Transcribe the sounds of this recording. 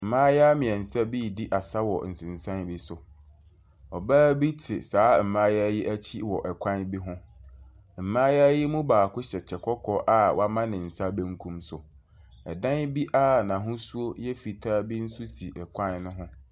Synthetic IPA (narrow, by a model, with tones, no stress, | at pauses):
m̩˨mãː˦ja˦mɪ̃˨ɛ˨n̩˨sa˦bi˦˨di˦ʔa˨sa˦wɔ̰˨n̩˨sɪ̃˨n˨sã˦nbi˦sʊ˨ | ɔ˨baː˦bi˦tʰɪ̰˨saː˨˦m̩˨mã˦ja˦jɪ˦ʔæ˦t͡ɕʰi˦wɔ˨ʔɛ˨kʷʰã˦nbi˦ɦʊ̃˦ | m̩˨mãː˦ja˦jɪ˦mũ˦baː˨kʊ˦ɕɛ˨t͡ɕʰɛ˨kʰɔ˦kʰɔ˦ʔa˦wʔa˦mã˦nɪ̃˨n̩˨sa˦bæ̃˦ŋ˦kʰũ˦msʊ˨ | ɛ˨dã˦nbi˦ʔa˦˨nã˨ɦʊ̃˦su˦o˦jɛ˦fi˨tʰaː˦bi˦n̩˦su˦si˨ʔɛ˨kʷʰã˦nnʊ̃˦ɦʊ̃˦